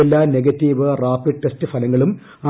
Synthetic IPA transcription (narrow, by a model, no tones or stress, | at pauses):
elːaːne̞ɡɐtːiːʋɨraːpiɖʈːestɨfɐlɐŋːɐɭum | a